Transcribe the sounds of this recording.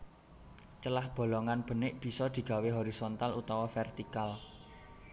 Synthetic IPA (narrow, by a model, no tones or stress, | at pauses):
t͡ʃəlahb̥o̤lɔŋanb̥ə̤nɪʔb̥i̤sɔd̪̥i̤ɡ̥ä̤weɦɔɾisɔnt̪alut̪ɔwafɛrt̪ikal